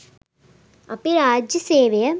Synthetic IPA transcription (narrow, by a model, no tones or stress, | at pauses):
ɐpːiɾaːd͡ʒiseːʋɐjɐ